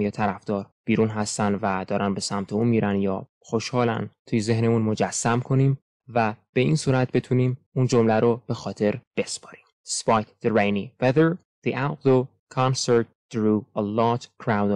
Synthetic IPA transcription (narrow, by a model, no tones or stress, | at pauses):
jet̪ʰæɾæfd̪̥ɒːɾb̥iːɾunɦæst̪ænvæd̪̥ɒːɾænbe̞sæmt̪ʰeuːnmiːɾænjɒ̰ː | xoʃhɒːlæ̰nt̪ʰujeze̞hnemunmo̞d͡ʒæsːæmkʰo̞niːm | væb̥e̞iːnsuːɾæt̪̚be̞t̪ʰuniːmund͡ʒomlæɾob̥e̞xɒːt̪ʰe̞ɾb̥e̞spɒ̥ɾi̥ːm | spɑjt̪d̪eɾejniveðeɹ | ð̥iʔawt̪d̪o | kʰɑnseɾt̪̚d̪̥ɾuːelɒːt̪kʰɾawnd̪